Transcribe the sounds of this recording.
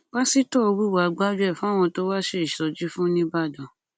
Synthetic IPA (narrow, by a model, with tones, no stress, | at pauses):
ɡ͡ba˦si˦tɔ˦˨o˧wu˦˨wa˨˧ɡ͡ba˦d͡ʒɛ˦˨fũ˦˨w̃ɔ̃˧to˦wa˦ʃe˧˨ʃɔ˨d͡ʒi˦fũ˦nĩ˦ba˦˨dɔ˨